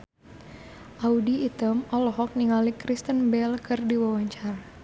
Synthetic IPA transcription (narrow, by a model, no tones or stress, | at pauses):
ʔaudiːt̪əmɔlɔɦɔk̚niŋalikɾist̪ənbɛlkʰɨrdiwawaɲt͡ʃara